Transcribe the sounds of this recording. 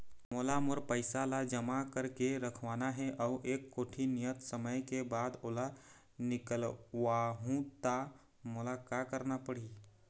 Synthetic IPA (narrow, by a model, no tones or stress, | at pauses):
molamoɾpəɪsalad͡ʒəmakəɾkeɾəkʰʋanaɦeʔauʔekːoːʈʰinijət̪səməjkebad̪oːla | nɪkəlʋaɦũt̪a | molakakəɾnapəɽi